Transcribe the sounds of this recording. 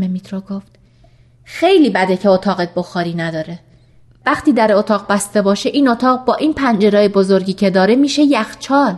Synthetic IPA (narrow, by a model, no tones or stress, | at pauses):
memit̪ʰɾoɡoft̪ | xejliːbæd̪ecʰe̞ot̪ʰɒːɣet̪̚bo̞xɒːɾiːnæd̪ɒːɾe̞ | væχt̪ʰiːd̪æɾeot̪ʰɒːʁbæst̪e̞bɒːʃe̞ʔiːno̞t̪ʰɒːʁbɒːʔiːnpʰænd͡ʒe̞ɾɒːjebo̞zo̞ɾɟiːcʰe̞d̪ɒːɾe̞miːʃe̞jæxt͡ʃʰɒːl